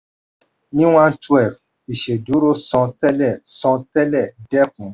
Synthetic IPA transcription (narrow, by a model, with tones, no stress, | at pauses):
nĩ˦wã˦ntu˦ɛ˦˨v | i˨ʃe˨du˨˦ɾo˦sɔ̃˨˧tɛ˦lɛ˦˨sɔ̃˧tɛ˦lɛ˦˨dɛ˦pũ˨